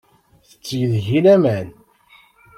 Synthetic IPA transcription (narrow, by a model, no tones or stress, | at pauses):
θət͡sːjəðʝilæmæn